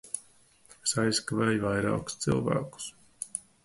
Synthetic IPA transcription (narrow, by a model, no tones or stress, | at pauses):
esajskaveːjvajɾɑ̰ːku̥st̪silˠvæ̰ːku̥s